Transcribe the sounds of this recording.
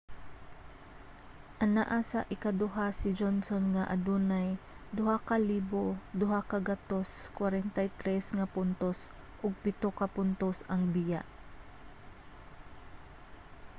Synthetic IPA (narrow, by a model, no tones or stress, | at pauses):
ʔanaʔasa̰ʔɪkad̪ʊɦasɪd͡ʒonsonŋaʔa̰d̪unaj | d̪ʊɦakaliːbod̪ʊɦakaɡat̪oskwaɾɛnt̪ajt̪ɾɛsŋapʊnt̪os | ʔʊɡ̚pɪt̪okapʊnt̪osʔɐŋbɪja̰ʔ